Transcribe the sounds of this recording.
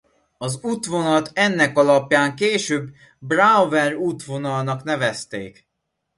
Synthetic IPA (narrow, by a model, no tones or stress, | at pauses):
ɒzuːt̪ʋo̞nɒlt̪ɛnːɛkɒlɒpjaːŋkeːʃøːbː | ravɛruːt̪ʋo̞nɒlnɒkn̪ɛvɛst̪ḛːk